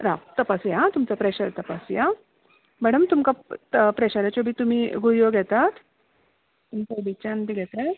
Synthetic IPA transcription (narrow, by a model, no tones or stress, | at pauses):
ɾaʋt̪əpasjat̪umt͡sapɾɛɕəɾt̪əpasja | mɛɽəmt̪umkapɾɛɕaɾat͡ɕobʱiːt̪um̤iːɡujoɡʱɛt̪at̪ | t̪unkobit͡ɕand̪iɡʱɛt̪e